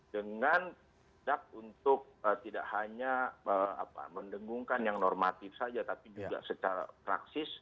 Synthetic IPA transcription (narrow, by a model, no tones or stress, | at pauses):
dəŋan | dak̚unt̪ʊk̚ət̪ida̰ʔhaɲaəa̰pa̰məndəŋɡuŋkanjaŋnɔrmat̪ɪfsad͡ʒat̪apid͡ʒuɡa̰sət͡ʃaɾa̰pɾa̰ksɪs